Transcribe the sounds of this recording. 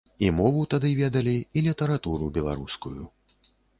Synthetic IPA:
imɔvut̪ad̪ɨvʲɛd̪ɐlʲiilʲit̪ɐɾat̪uɾubʲɛlˠa̰ɾuskuju

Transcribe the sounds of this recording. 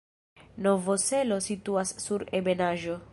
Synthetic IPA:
novoselosit̪uasːuɾebenaʒo

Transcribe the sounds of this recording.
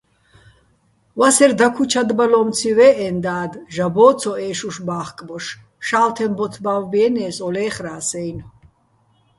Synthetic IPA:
vasɛɾd̪akʰut͡ʃʰad̪balɔmt͡sʰivɛːʔɛnd̪aːd̪ʒabɔːt͡sʰɔɛːʃuʃbaːχkʼbɔʃ | ʃaːlt̪ʰɛmbɔt̪ʰbavbiɛnɛːsɔlɛːχɾaːsɛjn

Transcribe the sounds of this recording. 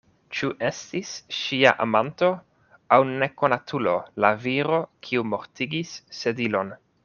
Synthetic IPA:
t͡ʃuʔe̞stisʃia̰ʔamanto̞ | awne̞ko̞natʰulo̞laviɾo̞kʰiumo̞ɾtiɡisːe̞dilo̞n

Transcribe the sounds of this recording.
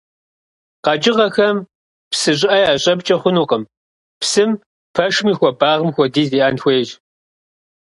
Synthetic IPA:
qɑd͡ʒʼɪʁɐxɐm | psɨɕ̬ʼɪʔɐjaːɕʼɐbt͡ʃʼɐχʷʊnuːqəm | psɨm | pʰɐʂmiːxʷɔbaːʁəmxʷɔdiːziːʔaːnxʷeːʒ

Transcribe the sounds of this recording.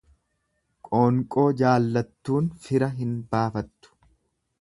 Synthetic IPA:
kʼoːŋkʼo̞ːd͡ʒaːlːɐt̪ːuːnfɪɾɐɦɪnbaːfɐt̪ːʊ̥

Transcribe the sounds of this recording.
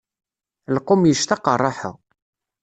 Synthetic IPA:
lqːumjəʃt̪ɑqərˤːɑħə̰ʁ

